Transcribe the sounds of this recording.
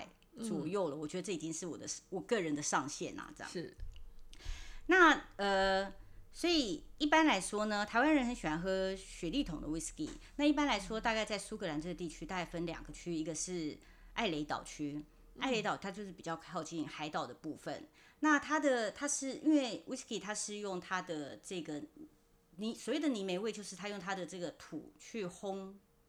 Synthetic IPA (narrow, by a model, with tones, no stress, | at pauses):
ɪ | t͡sɔ˨˩jo˥˩ʊlə˩wɔ˨˩t͡ɕɥɛ˧˥d̪ə˧ʈ͡ʂɤ˥˩i˨˩t͡ɕi˥ŋʂɻ̩˥˩wɔ̰˨˩d̪ə˦wɔ˨˩kɤ˥˩ɻə˧˦nd̪ə˧ʂɑ˥˧ŋɕjɛ̰˥˩nɐ̰˨˩t͡sə˥˩jɑ̰˥˨˥ | na˥˩ə˩ | swɔ˧˥i˨˩i˥˩pa˥nla˧˥ɪʂwɔ˥nə˧t̪ʰa˧˥ɪwa˥nɻə˧˥nxə˧˦nɕɛ˨˩wa˧˥nxɤ˧˥ɕɥɛ˧˨˥li˥˩t̪ʰʊ˨˩ŋd̪ə̰˦wi˥skḭ˧˩na˥˧i˥˩pa˥nla˧˥ɪʂwɔ˥t̪a˥˧ka˥˧ɪt͡sa˥˩ɪsu˥kʰɤ˧˥la˧˥nʈ͡ʂɤ˥˧ɡə˩t̪i˥˩t͡ɕʰy˥t̪a˥˧ka˥˩ɪfə˥nljɑ̰˨˩ŋɡə˦t͡ɕʰy˥i˧˥ɡə˧ʂɻ̩˥˩ | ʔa˥˩ɪle˧˥ɪt̪ɑ̰˨˩ʊt͡ɕʰy˥ | a˥˩ɪle˧˥t̪ɑ˨˩ʊ˥t̪ʰa˥t͡ɕo˥˧ʊʂ̬ɻ̩˥˩pi˨˩t͡ɕjɑ˥˧ʊkʰɑ˥˧ʊt͡ɕi˥˩nxa˧˥ɪt̪ɑ˨˩ʊd̪ə˦pu˥˩fə̰˨˩nna˥˩t̪ʰa˥d̪ə˨t̪ʰa˥ʂɻ̩˥˩ḭ˥nwe˥˩ɪwʔi˥ski˥˩t̪ʰa˥ʂɻ̩˥˧jʊ˥˩ŋt̪ʰa˥d̪ə˨ʈ͡ʂɤ˥˩ɡə˩ | ni˨˩swɔ˨˩we˥˩ɪd̪ə˨˩ni˨˩me˧ɪwe˥˧ɪt͡ɕjo˥˧ʊʂɻ̩˥˩t̪ʰa˥jʊ˥˩ŋt̪ʰa˥d̪ə˨ʈ͡ʂɤ˥˩ɡə˩t̪ʰṵ˨˩t͡ɕʰy˥˩xʊ˥ŋ